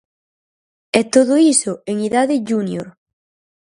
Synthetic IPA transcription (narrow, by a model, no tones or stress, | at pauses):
ɛt̪oðoisʊeŋiðaðɪʝunjoɾ